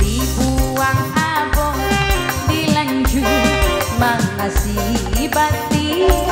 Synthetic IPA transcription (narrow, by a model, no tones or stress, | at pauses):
dibuaŋabɔŋdilaɲd͡ʒu | maŋːasibat̪i